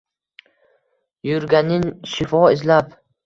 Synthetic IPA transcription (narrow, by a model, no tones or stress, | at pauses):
jʊɾɡʲanɪnʃɪfɒɪzlap